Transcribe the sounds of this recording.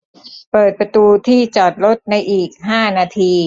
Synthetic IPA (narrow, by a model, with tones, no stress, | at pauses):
pɤː˨˩t̪̚pɾa˧t̪uː˧t̪ʰiː˥˩t͡ɕɔː˨˩t̪̚ɾo˦˥t̪̚na˧jʔiː˨˩k̚ɦaː˥˩naː˧t̪ʰiː˧